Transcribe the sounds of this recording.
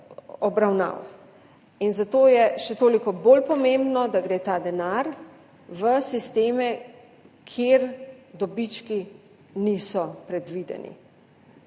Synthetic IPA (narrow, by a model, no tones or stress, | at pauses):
ɔbɾawna̰w | inzat̪oːjɛʃɛt̪oːlikɔboːlpɔmembnɔd̪aɡɾeːt̪aːd̪ɛnaɾ | ʋəsist̪eːmɛ | kʰjeɾd̪ɔbit͡ʃki | nisɔpɾɛd̪ʋid̪ɛ̰nḭ